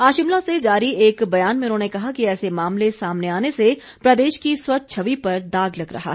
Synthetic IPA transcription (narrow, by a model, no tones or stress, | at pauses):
aːʃɪmlõsed͡ʒaːɾieːkbɐjaːnmẽʊnɦõːnekɐɦakiɛːsemaːmlesaːmneaːnese | pɾɐd̪eːʃkiswɐt̪̚t͡ʃʰɐʋipɐɾd̪aːɡlɐkɾɐ̰ɦa̰ː